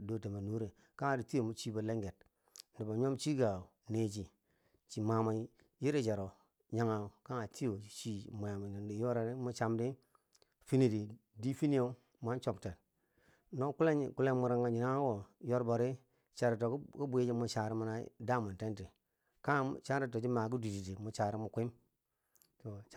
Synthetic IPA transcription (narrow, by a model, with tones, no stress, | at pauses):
do˨te˨ma˨nu˦ɾe˨ | ka˦ŋa˨di˨ti˦o˨mu˨t͡ʃi˦bo˨le˦ŋɡe˨t̚ | n˨di˨ba˨ɲ˦o˦mt͡ʃi˦ɡa˨ | ne˦t͡ʃi˨ | t͡ʃi˨ma˨ma˨˦ | ji˦ɾe˦t͡ʃe˨ɾo˨ | ɲa˦ŋa˨ka˦ŋa˨ti˦jo˨t͡ʃi˦mu˨ja˨m˨ni˨ndi˨jo˦ɾa˨ɾi˦mu˦t͡ʃa˨mdi˦ | fi˦ni˨di˨di˦fi˦ni˦jo˦ | m˦a˦n˦t͡ʃo˨pte˨n | no˦ku˦le˦˨ku˦le˦mu˨ɾa˨ŋɡa˨ɲi˨na˦ɡo˨jo˦ɾbo˨ɾi˦ | t͡ʃa˨ɾi˨to˨kku˦bu˦e˦d͡ʒi˦mu˨t͡ʃa˨ɾi˦mu˦na˦da˦˨mu˨te˦nti˨ | ka˦˨t͡ʃa˦ɾi˦t̬o˨d͡ʒi˦ma˨ɡu˦di˨di˨ti˨mu˨t͡ʃa˨ɾi˦mu˨kʷi˦m | to˨